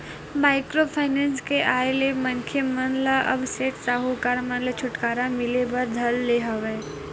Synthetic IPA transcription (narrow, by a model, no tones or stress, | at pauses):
maːɪkɾopʰaːɪnɛ̃ːnskeʔaːjelemɐnkʰemɐnlaʔə̰bseːʈsaːɦukaːɾmɐ̃nlət͡ʃʰʊʈkaːɾamɪlebɐɾd̪ʱɐlːeɦɐʋeː